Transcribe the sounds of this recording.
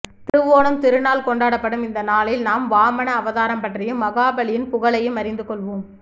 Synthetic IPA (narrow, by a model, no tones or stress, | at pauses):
t̪ɪɾɯʋoːnɯmt̪ɪɾɯnaːlkɔɳɖaːɽɐpːɐɽɯmɪnd̪ɐnaːlɪlnaːmʋaːmɐnɐːʋɐðaːɾɐmpɐʈrɪjɯmːɐɣaːbɐɭɪjɪnpʊɣɐɭɐjɯmɐɾɪnd̪ɯkɔɭʋoːm